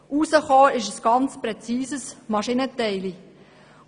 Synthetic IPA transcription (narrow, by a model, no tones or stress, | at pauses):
ʔusəχoːɪʃəsɡ̥ɑnt͡sprɛt͡siːsəsmɑʃinətɛɪli